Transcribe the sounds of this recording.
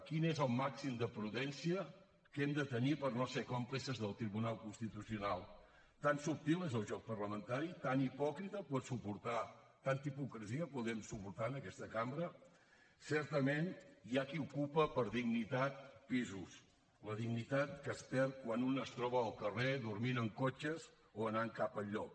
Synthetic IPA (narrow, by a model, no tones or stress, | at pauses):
kinezəlˠmaksimd̪əpɾuðɛnsiə | kɛmd̪ət̪ənipəɾnosekɔmplisəzðəlˠt̪ɾiβunalˠkunst̪it̪usiunalˠ | t̪ansup̚t̪ilˠezəlˠʒɔk̚pərləmənt̪aɾit̪anipɔkɾit̪əpɔt̪supuɾt̪a | t̪ant̪ipukɾəziəpuðɛmsupuɾt̪anəkɛst̪əkambɾə | sɛɾt̪əmenjakiukupəpəɾðiɡnit̪at̪̚pizus | ləðiɡnit̪at̪̚kəspɛrt̪̚kwanunəst̪ɾɔβəːlˠkəreðuɾminəŋkot͡ʃəz | oənaŋkapəʎːɔk̚